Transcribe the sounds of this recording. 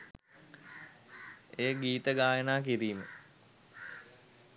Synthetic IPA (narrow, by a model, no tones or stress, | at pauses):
eːɡiːt̪əɡaːjənaːk̬iɾiːmə